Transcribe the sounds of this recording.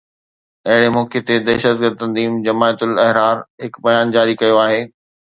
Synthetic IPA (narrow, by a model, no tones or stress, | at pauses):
ɐɦɪɽemɔːket̪ed̪ɛːʃəd̪̚ɡəɾd̪̚t̪ɐ̃nziːmd͡ʑɐmaːjət̪ʊlɐɦɾaːɾɦɪkbɐjaːnd͡ʑaːɾikɐjoaːɦeː